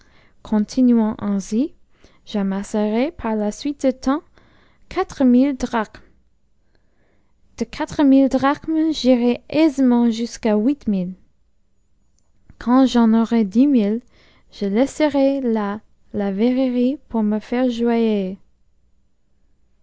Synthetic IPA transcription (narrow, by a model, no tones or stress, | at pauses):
kʰɔ̃t̪ʰinyɑ̃ʔɑ̃zi | ʒ̥amasəʁɛpʰaʁlasɥit̪̚d̪ət̪ʰɑ̃ | kʰat̪χəmild̪ʁak | d̪̥əkʰat̪χəmild̪ʁakmʒiʁɛɛzmɑ̃ʒyskawit̪mil | kʰɑ̃ʒɑ̃nɔʁɛd̪imil | ʒ̥əlɛsəʁɛla | lavɛʁeʁipʰuʁməfɛʁʒwaje